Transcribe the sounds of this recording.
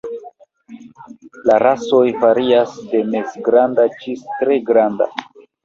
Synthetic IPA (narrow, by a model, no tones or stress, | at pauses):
laɾaso̞jfaɾiasde̞me̞sɡɾandat͡ʃistɾe̞ɡɾanda̰